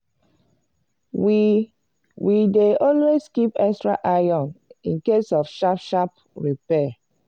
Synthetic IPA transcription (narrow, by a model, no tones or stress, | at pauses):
wideʔɔ̃lweskipɛkstɹa̰ʔaɔ̃nĩnkesɔfʃapʃap | ɹipɛ